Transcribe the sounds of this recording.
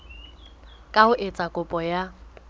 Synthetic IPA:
kʼaʊʔɪt͡sʼakʼʊpʼɔja

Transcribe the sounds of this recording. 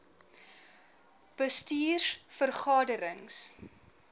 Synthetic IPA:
b̥əstiːrsfərχɑːdəɾəŋs

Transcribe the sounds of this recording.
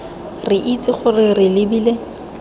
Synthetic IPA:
rɪʔit͡sʼɪχʊrɪrɪlɪbiːle

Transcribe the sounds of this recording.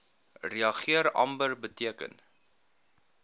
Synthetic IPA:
riɐχiəɾɐ̰mbərbətiəkə̰n

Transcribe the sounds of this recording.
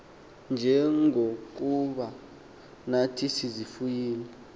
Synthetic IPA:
nd͡ʒʱɛŋʱok̬uɓa | natʰisizifujiːli

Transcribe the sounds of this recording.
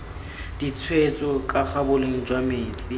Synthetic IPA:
d̥it͡sʰwet͡sʼɔkʼak͡xabʊleŋ̩d͡ʒwameːt͡sʼi

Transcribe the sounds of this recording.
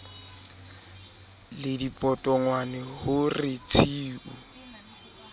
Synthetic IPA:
lɪdipʼɔtʼɔŋwanɛhʊrɪt͡sʰiːʔu

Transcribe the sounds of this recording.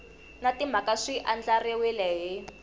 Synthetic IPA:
natim̤akaʂiʔand͡ɮariwilɛɦi

